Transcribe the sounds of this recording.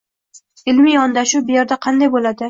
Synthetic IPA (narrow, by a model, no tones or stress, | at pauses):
ɪlmɪjɒnd̪aʃʊbɪjaɾd̪aqʰɑnd̪ajbolad̪ɪ